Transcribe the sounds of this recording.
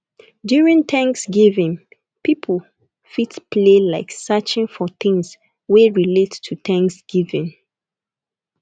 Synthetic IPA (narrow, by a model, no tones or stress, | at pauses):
djuɹĩnt̪ʰãŋksɡivɪ̃n | pʰipʰəl | fitpʰlelaɪksat͡ʃɪ̃ŋfɔθɪ̃ŋs | weɹilettʰut̪æ̃ŋksɡ̥ivɪ̃n